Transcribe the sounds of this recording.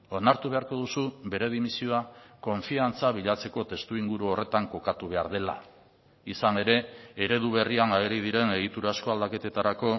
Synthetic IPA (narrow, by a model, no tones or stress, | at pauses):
o̞naɾt̪uβe̞aɾko̞ðusube̞ɾe̞ðimisioako̞ɱfiant͡saβiʎat͡se̞ko̞t̪e̞st̪uiŋɡuɾuo̞re̞t̪aŋko̞kat̪uβ̞e̞a̰ɾðe̞la̰ | isane̞ɾe̞eɾe̞ðuβ̞e̞rianaeɾiðiɾe̞ne̞ɣ̞it̪uɾasko̞ald̪ake̞t̪e̞t̪aɾako̞